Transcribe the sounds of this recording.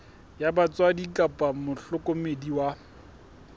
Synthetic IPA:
jabat͡swadikʼapʼamʊɬʊkʼʊmediwa

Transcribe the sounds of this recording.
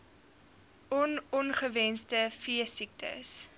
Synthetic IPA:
ɔnɔnχəvɛnstəfiəsik̚tʰə̰s

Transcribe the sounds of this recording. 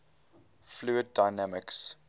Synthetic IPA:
fluəd̚ːajnæməks

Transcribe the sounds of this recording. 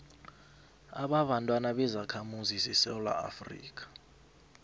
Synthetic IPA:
aɓaɓantʼwanaɓɛzakʰamuzisɛsɛula̰a̰frḭːk̬ʰʼḁ

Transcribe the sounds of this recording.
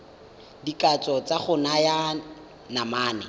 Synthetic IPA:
dikʼat͡sʼɔt͡sʼaχʊnaja | namaːnɛ̰

